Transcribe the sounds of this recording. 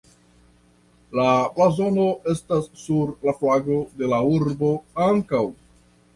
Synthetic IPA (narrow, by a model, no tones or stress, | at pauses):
laplazo̞no̞ʔe̞stasːuɾlaflaɡo̞de̞lauɾbo̞aŋkaw